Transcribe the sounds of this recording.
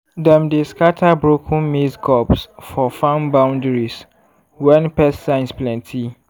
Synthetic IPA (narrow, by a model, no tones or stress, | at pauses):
dɛ̃mdeskatʰabɹokʰũnmiskʰɔpsfɔfãnbãʊ̃ndɹis | wɛ̃npɛssãɪ̃nsplɛ̃ntʰi